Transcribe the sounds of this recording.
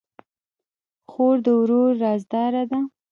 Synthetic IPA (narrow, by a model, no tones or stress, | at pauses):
xoɾd̪əwɾoɾːɑzd̪ɑɾad̪a